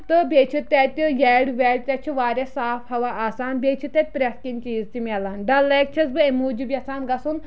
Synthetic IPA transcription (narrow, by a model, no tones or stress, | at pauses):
t̪ɨbʲeːt͡ʃʰit̪at̪ʲjɛɽʋʲɛːɽt̪ʲɐt͡ʃʰiʋaːɾʲesaːfhɐʋaʔaːsaːnbeːt͡ʃʰit̪at̪̚ʲpɾʲeskiŋt͡ʃiːzt̪imialaːnɖɐlːɐk̚t͡ʃʰɐsbɨemuːd͡ʒibʲjɐsaːnɡɐsun